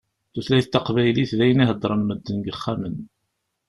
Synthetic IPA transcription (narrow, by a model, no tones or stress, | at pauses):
θuθlæjθt̪ːɑqvæjliθðæjəniɦəd̪ˤːɾˤənməd̪ːənɡəχːæmən